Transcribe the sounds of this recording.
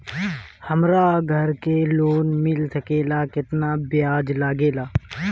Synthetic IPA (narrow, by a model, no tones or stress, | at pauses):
həmɾaːɡʱəɾkeloːnmɪlsəkeːlakɪt̪nabɪjaːd͡ʒlaːɡeːlaː